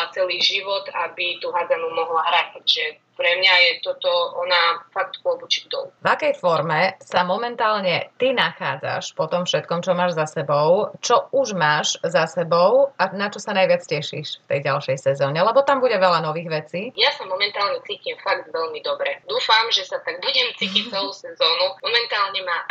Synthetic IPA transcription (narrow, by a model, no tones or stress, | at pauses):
at͡sɛliːʒiʋɔt̪abit̪uɦazanumɔɦlaɦɾatatʒɛ | pɾɛmɲajɛt̪ɔt̪ɔʔɔnafak̚t̪pɔbut͡ʃiɡ̚d̪ɔ̰luvakɛjfɔɾmɛsamɔmɛnt̪aːlɲɛt̪inaxa̰ːd͡za̰ʃpɔt̪ɔmfʃɛt̪kɔmt͡ʃɔmaːʒzasɛbɔʊt͡ʃɔuʒmaːʃzasɛbɔʊanat͡ʃɔsanajʋɪat͡scɛʃḭːʃft̪ɛjɟalʃɛjsɛzɔːɲɛlɛbɔt̪ambuɟɛʋɛlanɔʋiːɣʋɛt͡siːjasamɔmɛnt̪aːlɲɛt͡siːcimfaɡd̪ʋɛʎmid̪ɔbɾɛd̪uːfamʒɛsat̪aɡ̚buɟɛmt͡siːcic̚t͡sɛlusɛzɔːnumɔmɛnt̪aːlɲɛmaː